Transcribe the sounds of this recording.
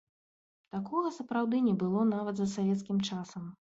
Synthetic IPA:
t̪akɔɣɐsɐpɾawd̪ɨnʲɛbɨlˠɔnavɐt̪zɐsavʲɛt̪skʲimt͡ʂasɐm

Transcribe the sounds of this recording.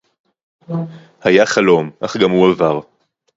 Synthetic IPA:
hajaχalo̞mʔaχɡamhuavaʁ

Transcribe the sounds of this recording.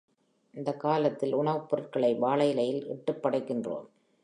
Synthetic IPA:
ɪnd̪ɐkːaːlɐt̪ːɪlʊɳɐʋɯpːɔɾɐrkɐɭɐɪbaːɭɐjɪlɐjɪlɪ̰ʈːɯpːɐɽɐɪkːɪndro̰ːm

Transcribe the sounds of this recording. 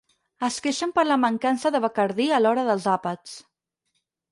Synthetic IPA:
əskeʃəmpəɾləməŋkansəðəβəkəɾðiəlɔɾəðəlˠzapət͡s

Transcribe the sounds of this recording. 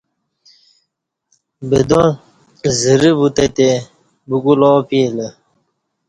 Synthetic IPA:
bed̪ɔ | zəɾibut̪et̪e | buɡulɔːpiːlə

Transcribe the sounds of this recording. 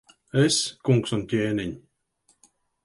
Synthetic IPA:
eskuŋksɔnʲt̪ʲeːninʲ

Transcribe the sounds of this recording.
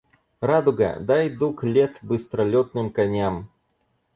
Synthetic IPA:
ɾad̪ʊɡɐ̰d̪ajd̪uklʲɛt̪bɨst̪ɾɐlʲɔt̪nɨmkanʲam

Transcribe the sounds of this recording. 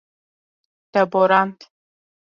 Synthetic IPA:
d̥ɐboɾantʰ

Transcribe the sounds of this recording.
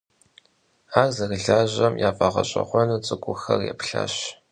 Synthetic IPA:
aːrzɐɣɨɮaːʑɐmjaːfʼɐʁɐɕʼɐχʷɔnɨt͡sʼɨkʷʼʊxɐrjɛ̰pɬa̰ːɕ

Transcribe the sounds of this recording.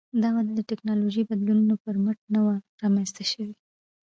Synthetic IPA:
d̪ɑwad̪d̪əʈɪknɑloʒəjbad̪lununopəɾmaʈ̚nawaɾɑmanzt̪aʃəwi

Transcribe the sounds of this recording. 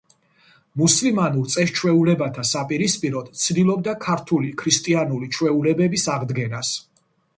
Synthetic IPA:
muslimanuɾt̪sʼɛst͡ʃʰwɛulɛbat̪ʰasapʼiɾispʼiɾɔt̪t̪sʰd̪ilˠɔb̚d̪akʰaɾt̪ʰulikʰɾist̪ʼianulit͡ʃʰwɛulɛbɛbisaʁd̪ɡɛnas

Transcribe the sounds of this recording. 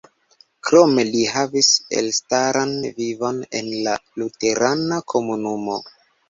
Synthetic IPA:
kɾo̞me̞liɦavisḛlstaɾanvivo̞ne̞̰nlalute̞ɾanakʰo̞munumo̞

